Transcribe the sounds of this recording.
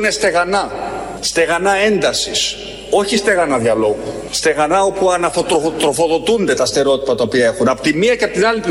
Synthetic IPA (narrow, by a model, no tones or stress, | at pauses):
nest̪e̞ɣɐnɐ | st̪e̞ɣɐnɐe̞nd̪ɐsis | o̞çist̪e̞ɣɐnɐðjɐlo̞ɣu | st̪e̞ɣɐnɐo̞puɐnɐθo̞t̪ɾot̪ɾo̞fo̞ðo̞t̪und̪e̞t̪ɐst̪e̞ɾo̞t̪ipɐt̪ɐopiɐe̞xunɐpo̥t̪imiɐceɐpot̪inɐlip